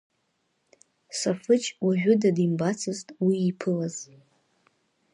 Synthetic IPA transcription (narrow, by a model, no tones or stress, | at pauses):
safɨt͡ʃʰʼwaʒᶣʷʊdadimbat͡sʰɨztʼwiːpʰɨlaz